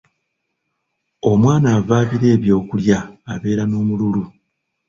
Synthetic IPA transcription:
o̞mwaːnaːvaːβiɾe̞ːβjo̞ːkuljaːβe̞ːɾanoːmululu

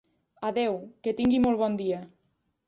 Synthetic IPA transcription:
aðewket̪iŋɡimolβɔnd̪ia

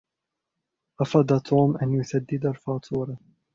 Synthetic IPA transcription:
ʔɑfɑːd̪at̪ʰuːmʔanjʊθad̪ːɪd̪alfɑːt̪ʰuːɾɑ

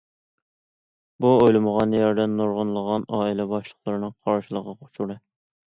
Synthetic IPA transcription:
buojlˠɨməʁɑnjɑɾd̪ɛnːoɾʁʊnlˠəʁɑnɑːilɛbɑʃlˠəχlˠəɾɨnɨŋqʰɑɾʃilˠəʁɑqʰo̥t͡ʃʰuɾɨ

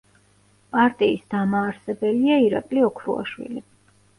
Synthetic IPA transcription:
pʼaɾt̪ʼiːsd̪amaːɾsɛbɛliaiɾakʼliɔkʰɾṵa̰ʃwḭli

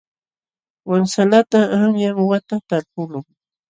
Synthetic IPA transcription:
waŋsalat̪aaŋjaŋwat̪at̪aɾpʊlʊŋ

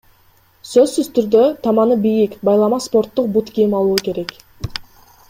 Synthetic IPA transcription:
søzsyzt̪yɾd̪øt̪ʰɑmɑnɯbijikbɑjlˠɑmɑspo̞rt̪ːuq̚but̪kʰijimɑlˠuːke̞ɾe̞k

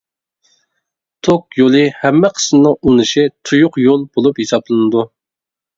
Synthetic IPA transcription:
t̪ʰokjolˠɨhɛmːɛqʰə̥smnɨŋunɨʃit̪ʰujʊqjolˠbolˠuphisɑplˠɨnɨd̪u

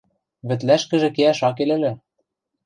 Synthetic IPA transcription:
βɘ̆t̪læʃkɘ̆ʒĕkeæʃɑk̬elɘ̆lɘ̆

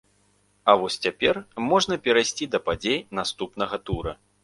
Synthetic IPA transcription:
ɐvɔsʲt͡sʲapʲɛrmɔʐnɐpʲɛɾajsʲt͡sʲid̪ɐpad͡zʲejnast̪upn̪ɐɣɐt̪uɾɐ

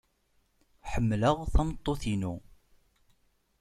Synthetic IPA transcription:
ħəmːləʁθæmt̪ˤːoθinu

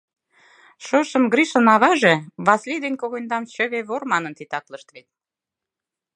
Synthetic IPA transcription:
ʃoʃə̆mɡɾiʃə̆nɑβɑʒeβɑslʲid̪enʲkoɣojnd̪ɑmt͡ɕə̆βeβormɑnənt̪it̪ɑkləʃt̪βet̪̚

